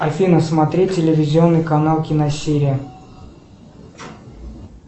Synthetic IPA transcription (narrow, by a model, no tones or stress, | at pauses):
ɐfʲinəsmɐt̪ɾʲettʲːɪlʲɪvʲɪzʲɪo̞nːɨjkɐnalˠkʲɪnɐsʲeɾʲɪjə